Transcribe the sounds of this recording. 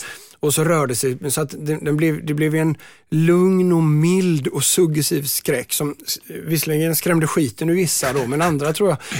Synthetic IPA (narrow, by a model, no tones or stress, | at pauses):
ɔsɔɾœːɖəsɛjsɔat̪d̪ɛd̪ɛnblɛvd̪ɛblɛvjɛn | lɵŋnɔmɪld̪ɔsɵɡːɛsiːvskɾɛkːsɔmvɪsːəlɛɡənskɾɛmd̪əɧiːt̪ʰənʏvɪsːad̪ɔmɛnand̪ɾat̪ʰɾuːja